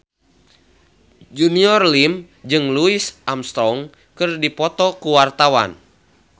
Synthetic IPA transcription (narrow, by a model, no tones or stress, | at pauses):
d͡ʒuniɔrlim | d͡ʒɨŋluisʔamst̪ɾɔŋ | kɨrdipɔt̪ɔkuwart̪awa̰n